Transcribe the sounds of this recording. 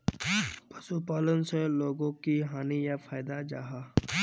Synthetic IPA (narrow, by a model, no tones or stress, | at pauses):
pɐsupaːlənseloːɡõkiɦaːnijafʰaːɪd̪ad͡ʒa̰ːɦaː